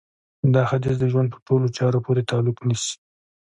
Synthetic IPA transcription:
d̪ɑxat̪izd̪əʒwand̪pə̥ʈolot͡ʃɑɾopʰoɾet̪ɑlʊknisi̥

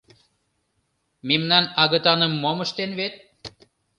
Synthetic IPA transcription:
mimnɑnɑɣə̆t̪ɑnə̆mːoməʃt̪enβet̪̚

